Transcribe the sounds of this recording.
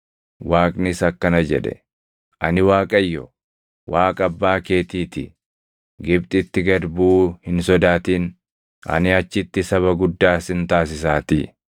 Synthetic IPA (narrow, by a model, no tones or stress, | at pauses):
waːkʼnɪsɐkːɐnɐd͡ʒɛ̰ᶑɛ̰ | ʔɐ̰nɪwaːkʼɐjːɔ̰ | waːkʼɐbːaːke̞ːt̪iːt̪ɪ̰ | ɡɪbt̪ʼɪt̪ːɪɡɐɾbuːhɪnsɔd̪aːt̪iːn | ʔɐ̰nɪɐt͡ʃːɪt̪ːɪsɐβɐɡʊd̪ːaːsɪnt̪aːs̬ɪsaːt̪ɪ